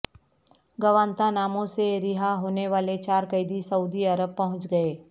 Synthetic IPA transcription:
ɡɐʋaːnt̪anaːmõseɾɪɦaɦoːneʋaːlet͡ʃaːɾkəɪd̪isɐuːd̪iɐɾəb̚pɐɦʊ̃t͡ʃɡɐeː

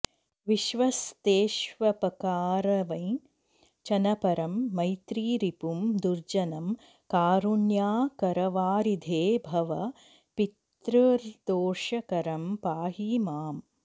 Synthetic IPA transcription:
ʋiʃʋɐst̪eːʃʋɐpɐkaːɾɐʋɐ̃j̃ | t͡ʃɐnɐpɐɾɐmːɐjt̪ɾiːɾipumd̪uɾd͡ʒɐnɐm | kaːɾunjaːkɐɾɐʋaːɾid̪ʱeːbʱɐʋɐ | pit̪ɾɐɾd̪oːʂɐkɐɾɐmpaːɦiːmaːm

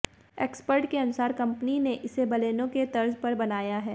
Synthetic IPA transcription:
ḛːkspəɾʈkeɐnʊsaːɾkɐ̃mpnineʔɪsebɐleːnõket̪ɐɾzpɐɾbɐnaːjaɦɛː

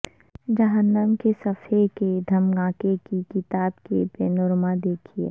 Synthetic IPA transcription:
d͡ʒəɦənːəmkesɐfʰeked̪ʱɐmɡãːkekikɪt̪aːbkepeːnʊɾmad̪eːkʰiḛː

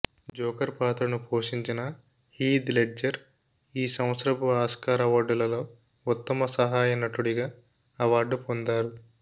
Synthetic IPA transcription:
d͡ʒɔːkɐɾpaːt̪ɾɐnupʰoːʂiɲt͡ʃinɐ | hiːd̪leɖd͡ʒɐɾ | iːsɐ̃w̃t̪sɾɐbuaːskaːɾɐʋaːɾɖulɐlo̞ː | ut̪ːɐmɐsɐɦaːjɐnɐʈːuɽiɡaː | ɐʋaːɾɖupond̪aːɾu

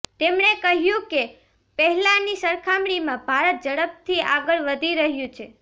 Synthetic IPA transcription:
t̪emɳekəɦjũke | pəɦɛlãnisəɾkʰamɽimãbʱaɾət̪̚d͡ʒəɽəp̚t̪ʰiaɡəɭʋəd̪ʱiɾəɦjũt͡ʃʰe

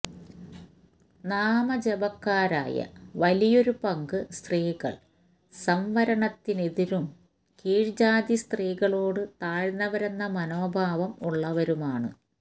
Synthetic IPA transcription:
naːmɐd͡ʑebɐkːaːɾa̰ːjɐ̰ʋɐlijo̞ɾupɐŋɡɨst̪riːɣɐ̰ɭ | sɐmʋɐɾɐɳɐt̪ːine̞ðiɾum | kiːɻd͡ʑaːd̪ist̪riːɣɐɭo̞ːɽɨt̪aːɻnːɐʋɐɾe̞nːɐmɐnoːbʱaːʋɐmuɭːɐʋɐɾumaːɳɨ̰

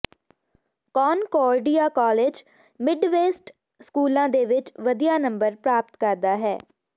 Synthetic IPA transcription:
kɔːnkɔːɾɖijaːkɔːleːd͡ʒ | mɪɖʋeːsʈ | skuːlãːd̪eːʋɪt͡ʃʋəd̪ijaːnəmbəɾpɾaːp̚t̪kəɾd̪aːɦɛ̰ː

